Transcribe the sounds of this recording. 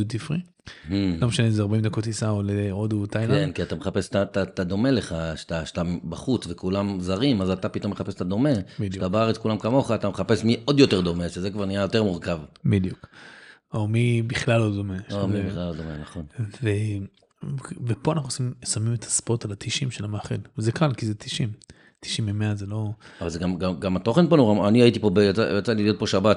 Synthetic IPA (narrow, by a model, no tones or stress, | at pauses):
jud̪̚t̪ifʁi | h̩lomeʃanezeaʁbaimd̪akot̪isaoleod̪ut̪ajlaenkiat̪ameχape̞st̪at̪at̪ad̪o̞me̞le̞χaʃt̪aʃḁt̪ambaχut͡svekulamzaʁimazat̪apit̪o̞mːeχape̞st̪ad̪o̞me̞ʃat̪abaaʁet͡skulamkamo̞χaːt̪ameχape̞smiʔo̞d̪jo̞t̪e̞ʁd̪o̞meʃezekvaʁnijajo̞t̪e̞ʁmuʁkavbid̪juk | omibiχlalod̪omeomibiχlalod̪o̞menaχo̞nve | vepoanaχnuosimsamimetʰḁspot̪alat̪iʃimʃelamaaχḛlvezekalkizet̪ʰi̥ʃim | t̪i̥ʃimːemeazelo̞avalzeɡamɡaɡamat̪o̞χe̞nponoʁaaniaitipo̞bejat͡sa̰jat͡saliijo̞t̪̚po̞ʃabat